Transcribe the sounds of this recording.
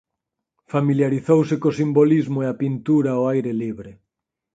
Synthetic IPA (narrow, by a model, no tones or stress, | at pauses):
familjaɾiθowsɪkosimbolizmoeapint̪uɾaoajɾeliβɾɪ